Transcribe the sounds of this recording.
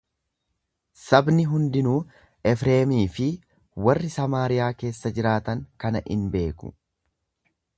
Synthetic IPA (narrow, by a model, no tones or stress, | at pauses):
sɐbnɪɦʊnd̪ɪnuː | ɛfɾe̞ːmiːfɪ | wɐrːɪsɐmaːɾɪjaːke̞ːsːɐd͡ʒɪɾaːt̪ɐŋkɐnɐʔɪ̰nbe̞ːkʊ̰